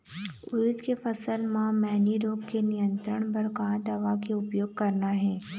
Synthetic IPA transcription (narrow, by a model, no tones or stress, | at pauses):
ʊɾɪt̪kefɐsəlmãmɛːniɾoːɡkenɪjə̃nt̪ɾəɽ̃bɐɾɡãːd̪ɐʋakeʊpjoːɡ̚kɐɾnaɦɛː